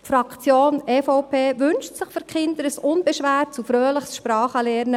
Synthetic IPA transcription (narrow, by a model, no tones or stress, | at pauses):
tfɾɑkt͡sjoːnɛfɔʊpʰeːʋʏnʃtsɪχføɾkχɪnd̪əɾəsʊnbɛʃʋæːɾtt͡sufɾøːləχsʃpɾɑːχəlɛːɾnə